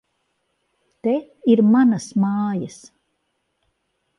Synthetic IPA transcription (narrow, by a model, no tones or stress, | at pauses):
t̪e | iɾmanɐsmɑːjɐs